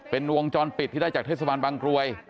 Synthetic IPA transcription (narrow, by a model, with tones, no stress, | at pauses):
pe˧nwo˧ŋt͡ɕɔː˧npi˨˩t̪ʰːiː˥˩a˥˩jt͡ɕaː˨˩kt̪ʰe˥˩sa˧baː˧nbaː˧ŋkɾu˧əj